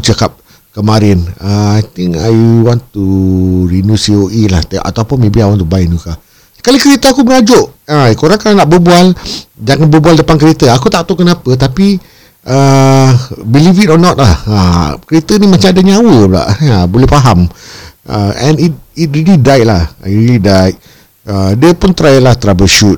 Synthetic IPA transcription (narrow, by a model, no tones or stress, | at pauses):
t͡ʃəkap̚ | kəmaɾɪnaajt̪ɪŋka̰jwɔ̃nt̪uɾinusioʔilaht̪ʔa̰t̪awpʊnmebiawant̪ubaɪnuka | kalokəɾet̪əakubəŋad͡ʒʊʔakoɾaŋk̪aanaʔbəbuald͡ʒaŋanbəbualdəpankəɾet̪əakut̪aʔ̚t̪okənapət̪̬api | ʔə | bilifitɔnɔt̪̚laha̰kəɾet̪ənimat͡ʃãŋadaɲawəla̰ʔəbolɛhfaɦamʔə̰ɛ̃nit̚it̚ɾilidaɪʔ̚lahɾilidaɪt̚ | ədiəpʊnt̪ɾajalaht̪əɾabəʃut̪̚